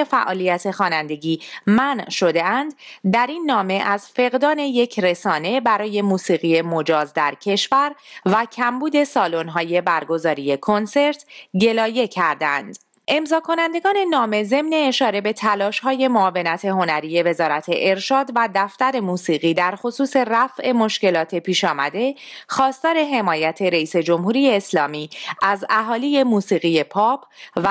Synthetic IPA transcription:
efæʔɒːlijæt̪ʰe̞xɒːnænd̪e̞ɟiːmænʃo̞d̪e̞ænd̪d̪æɾinːɒːme̞ʔæzfe̞ɣd̪ɒːne̞je̞cʰɾe̞sɒːne̞bæɾɒːje̞muːsiːɣije̞mo̞d͡ʒɒːzd̪æɾcʰe̞ʃvæɾvæcʰæmbuːd̪e̞sɒːlo̞nɦɒːje̞bæɾɡo̞zɒːɾije̞kʰo̞nse̞ɾt̪ʰɟe̞lɒːje̞cʰæɾd̪ænd̪̥ | ʔe̞mzɒːkʰo̞nænd̪e̞ɡɒːne̞nɒːme̞ze̞mne̞ːʃɒːɾe̞be̞t̪ʰælɒːʃhɒːje̞moɒːve̞næt̪ʰe̞ɦo̞næɾije̞ve̞zɒːɾæt̪ʰe̞̰ʔeɾʃɒːd̪væd̪æft̪æɾe̞muːsiːɣiːd̪æɾxo̞suːse̞ræfʔe̞mo̞ʃce̞lɒːt̪ʰe̞pʰiːʃɒːmæd̪e̞xɒːst̪ɒːɾe̞ɦe̞mɒːjæt̪ʰe̞ɾeiːse̞d͡ʒo̞mhuːɾije̞ːslɒːmiːʔæzæɦɒːlije̞muːsiːɣije̞pʰɒːpʰv

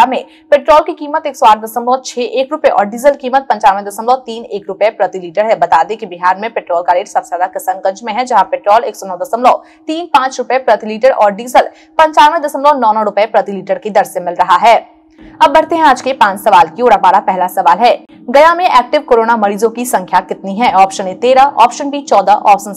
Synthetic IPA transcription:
amẽ | peːʈɾɔːlkikiːmət̪eːksoaːʈʰd̪ɐsəmlɔt͡ʃʰeːʔeːkɾʊpeʔɔ̰ːɾɖiːzəlkiːmət̪̚pɐ̃ɲt͡ʃaːɾʋẽd̪ɐsəmlɔt̪iːneːkɾʊpepɾɐt̪iliːʈəɾɦɛbɐt̪aːd̪ẽkibɪɦaːɾmẽpɪʈɾoːlkaɾeːʈsɐbseaːd̪akɐsənɡɐ̃ɲd͡ʒmẽɦɛ̃d͡ʒɐɦãpɪʈɾɔːleːksonɔːd̪ɐsəmlɔ | t̪iːnpãːt͡ʃɾʊpepɾɐt̪iliːʈəɾʔɔ̰ːɾɖiːzəl | pɐ̃ɲt͡ʃaːmẽd̪ɐsəmlɔnɔːnɔɾʊpəepɾɐt̪iliːʈəɾked̪ɐɾsẽmɪlɾɐɦaɦɛː | ɐbːɐɽt̪eɦɛ̃aːd͡ʒkepãːt͡ʃsɐʋaːlkioːɽabaːɾapɛɦlasɐʋaːlɦɛː | ɡɐjamẽʔɛːk̚ʈɪʋkoːɾoːnamɐɾiːzõkisɐ̃ŋkʰjakɪt̪niɦɛɔːpʃənet̪eːɾaʔɔ̰ːpʃənbʱit͡ʃɔːd̪aʔɔːpʃən

